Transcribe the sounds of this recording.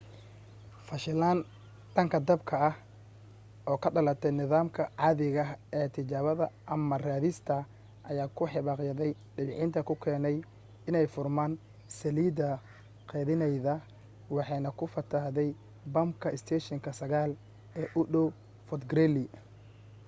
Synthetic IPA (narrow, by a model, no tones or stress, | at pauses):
fɐʃɪlaːn | t̪ʰɐŋkʰɐd̪ɐbkʰɐɐh | ʔɔːkʰɐɖɐlɐt̪ʰɛjnɪðaːmkʰɐʕɑːðɪɣɐɛːt̪ʰɪt͡ʃaːβɐðɐʔɐmɐraːðɪst̪ʰɐ | ʔɐjaːkʰʊħɪβaːqjɐðɛj | ɖɪβɪʕɪnt̪ʰɐkʰʊkʰɛːnɛj | ɪnɛjfʊrmaːn | sɐliːd̪ɐ | qɛːðɪnɛjðɐ | wɑħɑjnɐkʰʊfɐt̪ʰɐhðɛj | bɐmkʰɐɪst̪ʰɛːʃɐŋkʰɐsɐɣaːl | ɛːʔʊɖɔw | fɔt̪ɡɾɛlɪ